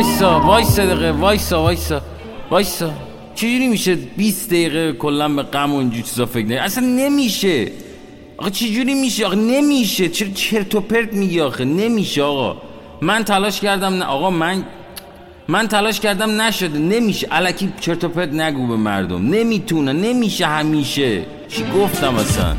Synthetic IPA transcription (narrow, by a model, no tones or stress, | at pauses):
jsɒːvɒjsed̪eɣevɒjsɒvɒjsɒ | vɒːjsɒ | t͡ʃʰed͡ʒuːɾiːmiːʃebiːsd̪ejiːɣekʰolːænbeɣæmoind͡ʒuɾt͡ʃʰizɒːfe̞kʰnæɡʔæsænːe̞miːʃe | ʔɒ̰xet͡ʃʰed͡ʒuːɾiːmiːʃeɒxene̞miːʃe̞t͡ʃʰeɾt͡ʃʰe̞ɾt̪ʰopʰe̞ɾd̪miɡiɒːxene̞miːʃeɒːɣɒ̰ | mænt̪ʰælɒːʃcæɾd̪æmnæʔɒːɣɒːmæn | mænt̪ʰælɒːʃcæɾd̪æmnæʃod̪ene̞miːʃeʔælæcʰiːt͡ʃʰe̞ɾt̪ope̞ɾd̪næɡuːbe̞mæ̰ɾd̪o̰mne̞mit̪ʰunæne̞miːʃehæmiːʃe | t͡ʃʰiɡoft̪æmæ̰sæ̰n